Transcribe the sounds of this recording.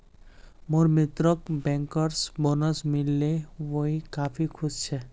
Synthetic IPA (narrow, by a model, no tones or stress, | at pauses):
moɾmit̪ɾəkbɛ̃ŋkəɾsbonəsmilːeʋoɦikaːpʰikʰʊst͡ʃʰɛ